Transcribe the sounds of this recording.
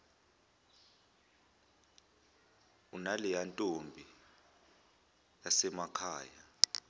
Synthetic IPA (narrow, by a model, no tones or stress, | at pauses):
unalijantʼombʱi | jasɛmakʰaːja